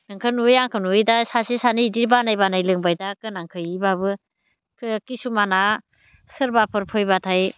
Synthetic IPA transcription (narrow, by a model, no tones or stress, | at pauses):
nɯŋkʰɯnujaŋkʰɯnujdasasesanidiɾbanajbanajlɯŋbajdakɯnaŋkʰɯjibabɯ | kʰɯkisumana | sɯɾbapʰɯɾpʰɔjbatʰaj